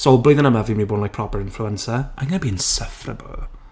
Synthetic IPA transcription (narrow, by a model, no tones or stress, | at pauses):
sobliːðə̃nəmavimiːboːdnlajk̚pʰr̥ɔpəɾɪ̃nfluɛnsaʔaɡanabiɪnsəfrə̰bə̰l